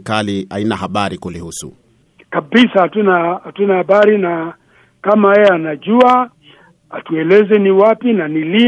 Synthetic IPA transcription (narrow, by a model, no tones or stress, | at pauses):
kaliainahaɓaɾikulihusṵ | kabisaatunahatunahaɓaɾina | kamaɛɛanaʄua | atuɛlɛzɛniwapinanili